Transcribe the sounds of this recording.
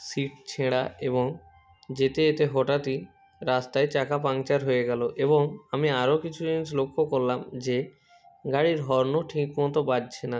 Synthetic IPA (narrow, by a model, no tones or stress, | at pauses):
siʈt͡ɕʰeɽaeβoŋ | d͡ʑet̪eet̪eɦɔʈat̪i | ɾast̪aet͡ɕakap̬aŋt͡ɕaɾɦojeɡɛloʔeboŋamiaɾokit͡ɕʰud̪init͡ɕlokʰːokoɾːamd͡ʑe | ɡaɽiɾɦɔɾnoʈʰikːont̪obadt͡ɕʰena